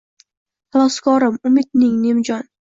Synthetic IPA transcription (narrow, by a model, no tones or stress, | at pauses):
hɑlˠɒskʰɒɾɪmʊmɪd̪nɪŋnemd͡ʒɒn